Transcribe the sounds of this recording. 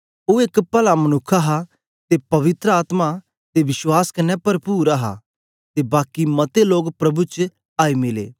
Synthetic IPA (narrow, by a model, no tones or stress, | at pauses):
oːekpɐlamɐnʊkʰːaɦa | t̪epɐʋɪt̪ɾəaːt̪ma | t̪eʋɪʃwaːskɐnɛpɐɾpuːɾaɦa̰ | t̪ebaːkimɐt̪eloːɡpɾɐbut͡ʃ | aːimɪlḛː